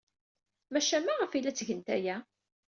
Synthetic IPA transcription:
mæʃæmːaʁəfilæt͡sːʝənt̪æjæ

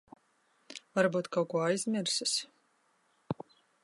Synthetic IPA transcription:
vaɾbuːt̪kawkuɔajzmʲiɾsɨs

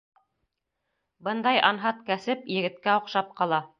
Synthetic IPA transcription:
bɤnd̪ɑjɑnɦɑt̪kæsɘpjɘ̆ɡɘ̆t̪kæŏqʃɑp̚qɑlˠɑ

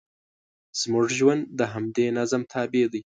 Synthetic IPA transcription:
z̥mʊʐʒwand̪əɦamd̪eːnazəmt̪ʰɑːbed̪ij

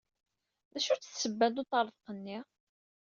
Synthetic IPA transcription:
ðæʃuɾt͡sːəθsəbːæd̪ot̪ˤɑɾˤəðˤqənːi

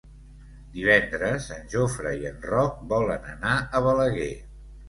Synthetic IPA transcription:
d̪iβ̞ɛnd̪ɾəzənʲʒofɾəiənrɔk̚bɔlənənaəβələɣe

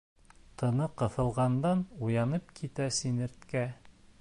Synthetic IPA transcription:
t̪ɤ̆nɤqɤ̆θɤ̆lˠʁɑnd̪ɑnujɑnɤp̚kʰit̪æsinɘ̆ɾt̪kæ

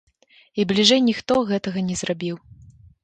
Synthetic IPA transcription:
iblʲiʐɛjnʲixt̪ɔɣɛt̪ɐɣɐnʲɛzrabʲiw

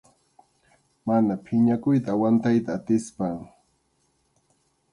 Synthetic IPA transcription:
manapʰɪɲakʊjt̪̬awant̪ajt̪aːt̪ɪspaŋ

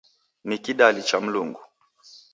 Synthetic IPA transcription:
nikiɗalit͡ʃam̩luŋɡu

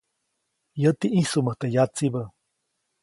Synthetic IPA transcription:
jət̪iʔisuməht̪ejat͡sibə

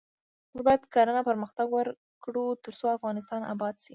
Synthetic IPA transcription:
məɾbɑjad̪kɑɾənapəɾməxt̪aɡwəɾ | kɽut̪əɾt͡soafɣɑnɪs̬t̪ɑnʔa̰bɑd̪si

